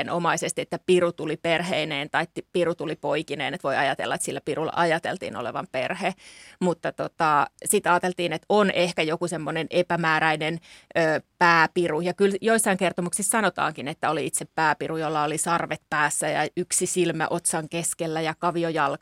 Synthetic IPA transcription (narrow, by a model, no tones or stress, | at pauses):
enʔomɑisest̪iet̪ːæpirut̪uliperheineːnt̪ɑit̪ːipirut̪ulipoikinḛːnet̪ʋoiɑjɑt̪ḛlːɑet̪silːæpirulːɑ̰ʔɑjɑt̪ḛlt̪ḭːno̰lḛʋɑ̰mpḛrhemut̪ːɑt̪ot̪ɑsit̪ɑːt̪elt̪iːnet̪onehkæjokusemːonenʔepæmæːɾæinenøːpæːpirujɑkyljoisːɑiŋkert̪omuksissɑnot̪ɑ̰ːŋkinet̪ːæoliit̪seppæːpirujolːɑolisɑrʋet̪̚pæːsːæjɑ̰yksisilmæ̰ʔot̪sɑŋkeskelːæjɑkɑʋiojɑl